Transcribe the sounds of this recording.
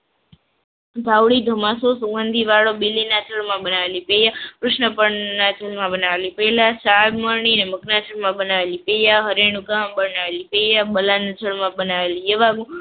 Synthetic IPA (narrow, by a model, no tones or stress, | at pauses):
d̪ʱawɽid̪ʱəmasosuɡənd̪ʱiʋaɭobilːinat͡ʃʰəɭmãbənaʋelipejakɾʊʃnəpəɳnat͡ʃʰəɭmãbənaʋelipɛlasad̪məɾɳineməknat͡ʃʰəɭmãbənaʋelipejaɦəɾeɳ̃ukambənaʋelipejabəlanat͡ʃʰəɭmãbənaʋelijəʋaɡũ